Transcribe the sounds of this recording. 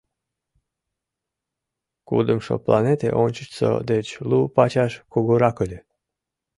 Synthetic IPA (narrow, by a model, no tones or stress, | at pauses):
kṵd̪əmʃo̰plˠɑ̰net̪ḛʔonʲt͡ɕət͡ɕso̰d̪et͡ɕlupɑt͡ɕɑʃkuɣoɾɑkəlʲe